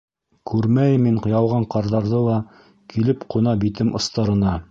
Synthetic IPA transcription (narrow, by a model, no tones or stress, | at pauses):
kʉɾmæjmːiɴŏjɑwʁɑɴqɑɾðɑɾðɤlˠɑ | kilɘpqŏnɑbit̪ɘmʔŏst̪ɑɾɤ̆nɑ